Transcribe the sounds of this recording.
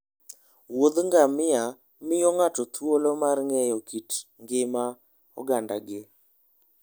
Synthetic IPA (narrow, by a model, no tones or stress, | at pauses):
wod̪ŋɡamɪa | mɪjɔŋat͡ʃɔt̪wolomarŋɛjɔkitŋɡɪma | ɔ̰ɡanda̰ɡɪ